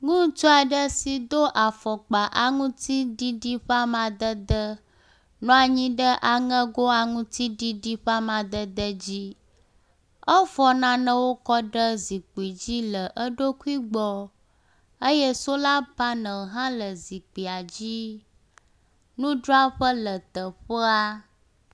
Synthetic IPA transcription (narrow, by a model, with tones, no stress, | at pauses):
ŋũ˦t͡ʃo˦a˨ɖə˦si˨d̪o˦ʔa˨fɔ˨k͡pa˨ʔa˨ŋũ˦t̪i˦ɖi˦ɖi˦ɸa˦mã˨d̪ə˦d̪ə˦ | nɔ̃˦a˨ɲĩ˦ɖə˦ʔa˨ŋə̃˦ɡo˦a˨ŋũ˦t̪i˦ɖi˦ɖi˦ɸa˦mã˨d̪ə˦d̪ə˦d͡ʑi˦ | ə˦fɔ˦nã˦nə̃˦wo˦kɔ˦ɖə˦zi˨k͡pi˨d͡ʑi˦lə˨ʔə˦ɖo˦ku˦i˦ɡ͡bɔ˦ | ə˦jə˦so˦la˦ba˦nə̃˨ɦã˦lə˨zi˨k͡pi˨a˨d͡ʑi˦ | nũ˦ɖɾo˦a˦ɸə˦lə˨t̪ə˨ɸə˦a˦